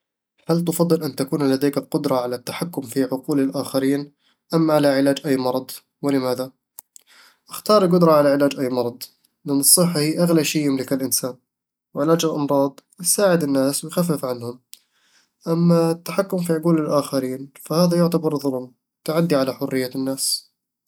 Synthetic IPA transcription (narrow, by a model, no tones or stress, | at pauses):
halt̪ʊfɑd̪ˤːɨlʔant̪akuːnlad̪aːkɪlqʊd̪ɾˤɑʕalat̪ːaħakːʊmfiʕʊquːlɪlʔaːxaɾiːn | ʔamːaʕalaʕɪlaːd͡ʒʔajːmɑɾˤɑd̪ˤ | wɪlɪmaːða | ʔaxt̪ɑːɾˤɪlq̬ʊd̪ɾˤɑʕalaʕɪlaːd͡ʒʔajːmɑɾˤɑd̪ˤ | mɪnːɨsˤːɨħːahiːʔaɣlaʃijːɪmlɪkɪlʔɪnsaːn | wɪʕɪlaːd͡ʒɪlʔɑmɾˤɑːd̪ˤwɪjsaːʕɪd̪ɪnːaːswɪjxafːɪfʕanhʊm | ʔamːaɪt̪ːḁħakːʊmfiʕʊquːlɪlʔaːxaɾiːnfahaːðajʊʕt̪abɑɾˤðˤʊlm | t̪ʊʕad̪ːiʕalaħʊrːɪjːanːaːs